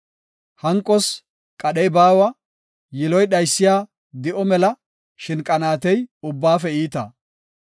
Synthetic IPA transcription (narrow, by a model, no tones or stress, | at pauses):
hɐŋkʼːɔs | kʼɐɗɛjbaːwɐ | jɪlɔjɗɐjsːɪjaː | d̪ɪʔɔmɛlɐ | ʃɪnkʼɐnaːt̪ɛjʊbːaːfɛiːt̪ɐ̰